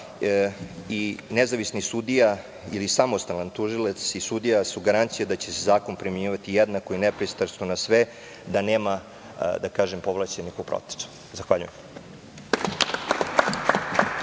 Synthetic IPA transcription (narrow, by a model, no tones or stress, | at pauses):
inezaʋisnisud̪ija | ilisamo̞st̪alant̪uʒilˠat̪sisud̪ijasuɡaɾant̪sijad̪at͡ɕesezaːkonpɾimeɲiːʋat̪ijed̪nako̞inepɾist̪aɾst̪onasʋe | d̪aneːma | d̪akaːʒempo̞ʋlˠat͡ɕenixupɾo̰t̪e̥su̥ | zaxʋaʎṵjem